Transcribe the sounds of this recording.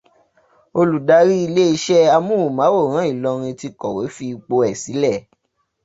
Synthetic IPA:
o˧lu˨da˧˦ɾi˦i˧le˦i˧ʃɛ˦a˧mũ˦u˨mã˨˦wo˦˨ɾ̃ã˨˦i˦˨lɔ˧ɾ̃ĩ˧ti˧kɔ˨we˨˦fi˧k͡po˧ɛ˨si˨˦lɛ˦˨

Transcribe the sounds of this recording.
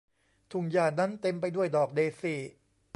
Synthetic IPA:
t̪ʰu˨˩ŋjaː˨˩na˦˥nt̪e˧mpa˧jdu˥˩əjdɔː˨˩k̚deː˧siː˨˩

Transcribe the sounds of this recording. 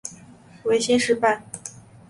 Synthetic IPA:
we˧˥ɪɕjɛ˥nʂɻ̩˥˧pa˥˩n

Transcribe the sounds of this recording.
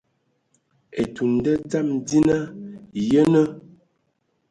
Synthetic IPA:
e˨tu˨n˨də˦d͡za˦˨mdi˦na˦jə˦nə˦

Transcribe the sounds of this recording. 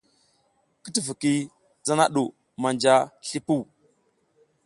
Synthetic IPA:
kə˦tə˦və˨ki˦ | d͡za˦na˦ɗu˨ | ma˨nd͡ʒa˦ɬi˦pu˦˨

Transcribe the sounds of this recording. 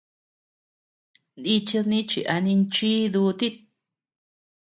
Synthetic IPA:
ni˧t͡ʃi˦˧ðnĩ˦t͡ʃḭ˨ʔa˧nĩ˧nt͡ʃi˦d̪u˧t̪i˦t̪̚

